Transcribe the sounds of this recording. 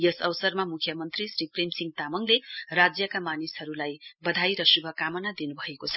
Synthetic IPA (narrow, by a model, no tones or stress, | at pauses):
jesʌwsʌɾmamukʰjʌmʌnt̪ɾisɾipɾemsiŋt̪amʌŋleɾad͡zjʌkamanishɦʌɾulajbʌd̪ʱajɾʌsubʱʌkamʌnad̪inubʱʌekot͡sʰʌ̥